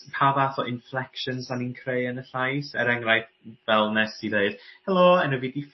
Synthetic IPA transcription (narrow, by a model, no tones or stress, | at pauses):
pʰavaθɔʔɪnflɛkʃənzaninkʰreɨənəɬajsɛɾɛŋrajθ | vɛlˠnɛsiðeɨd̥hɛlˠɔɛnuvidif